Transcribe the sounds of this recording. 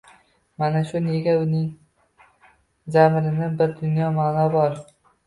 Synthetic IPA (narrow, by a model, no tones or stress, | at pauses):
manaʃʊne̞ɡʲaʊnɪŋ | zamɾɪnɪbɪɾd̪ʊnjɒmaːnɒbɒɾ